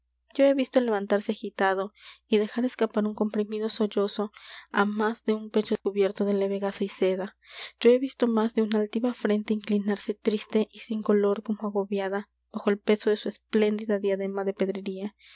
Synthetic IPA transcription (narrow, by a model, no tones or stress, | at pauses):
ɟ͡ʝo̞e̞βist̪ole̞βant̪aɾseaxit̪aðo̞iðe̞xaɾe̞skapaɾuŋko̞mpɾimiðo̞so̞ʝo̞so̞amazðe̞umpe̞t͡ʃo̞ðeskuβje̞ɾt̪o̞ðe̞le̞βe̞ɣasaise̞ðaɟ͡ʝo̞e̞βist̪o̞mazðeunalt̪iβafɾe̞nt̪eiŋklinaɾse̞t̪ɾist̪e̞ʔisiŋko̞lo̞ɾko̞moaɣo̞βjaða | β̥axoelpe̞so̞ðe̞suesple̞nd̪iðaðjaðe̞maðe̞pe̞ðɾeɾia